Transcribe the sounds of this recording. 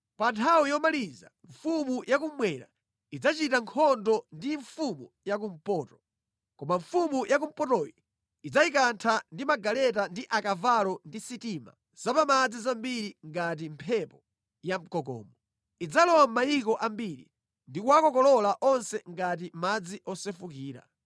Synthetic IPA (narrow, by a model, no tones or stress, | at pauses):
pantʰawijɔmaliza̰ɱfumujʔak̬umwɛna̰ | id͡zat͡ʃitaŋkʰɔndɔndiɱfumu | jak̬um̩pɔːtɔ̥ | kɔmaɱfumujak̬um̩pɔtɔjɔ | id͡zaikantʰandimaɡalɛt̬andiʔakavalɔndisitima̰ | z̥apamad͡zizambiɾiŋɡat̬impʰɛpɔ | jam̩kɔkɔ̰ːmɔ | id͡zalɔwam̩majikɔʔambiɾḭ | ndikuwakɔkɔlɔlaʔɔnsɛŋɡat̬imad͡ziʔɔsɛfukiːɾa̰